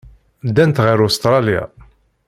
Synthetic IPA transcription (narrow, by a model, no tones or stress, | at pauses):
d̪ːænt̪ʁiɾust̪ɾˤɑlja̰